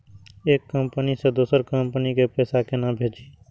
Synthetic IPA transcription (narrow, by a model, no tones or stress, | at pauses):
eːkːəmpənised̪uːsəɾkə̃mpnikepɛːsakenabʱeːd͡ʒiː